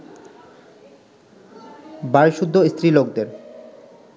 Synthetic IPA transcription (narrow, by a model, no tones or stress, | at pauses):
baɾʃud̪ʱːoist̪ɾilokd̪eɾ